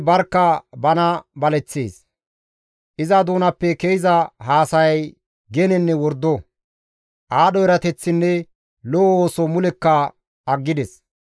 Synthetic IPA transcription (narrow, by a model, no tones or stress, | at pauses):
bɐɾkːɐbɐnɐbɐlɛt͡sːḛːs | ʔɪzɐd̪uːnɐpːɛkejɪzɐɦaːsɐjɐj | ɡɛnɛnːɛwɔɾd̪ːɔ | ʔaːɗɔɛɾɐt̪ɛt͡sːɪnːɛ | lɔoːsɔmʊlɛkːɐ | ɐɡːɪd̪ɛs